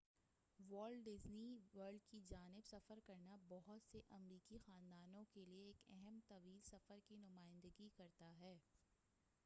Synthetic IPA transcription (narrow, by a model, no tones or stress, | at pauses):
ʋɔːlɖɖɪzniʋəɾɖkid͡ʒaːnɪbsɐfəɾkɐɾnabɔɦʊt̪seʔɐmɾiːkixaːnd̪aːnõkelieːkɛɦɛmt̪ɐʋiːlsɐfəɾkinʊmaːɪ̃nd̪əɡikɐɾt̪aɦɛː